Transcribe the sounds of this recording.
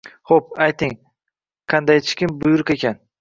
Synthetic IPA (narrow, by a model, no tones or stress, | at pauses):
χop̚ajt̪ɪŋ | qʰand̪ajt͡ʃʰɪ̥kʲɪmbʊjʊɾɪqe̞kʲan